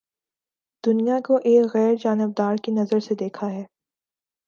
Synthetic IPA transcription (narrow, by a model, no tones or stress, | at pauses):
d̪̥ʊnijakoʔeːkɣɛːɾd͡ʒaːnɪb̚d̪aːɾkinɐzəɾsed̪eːkʰaɦɛː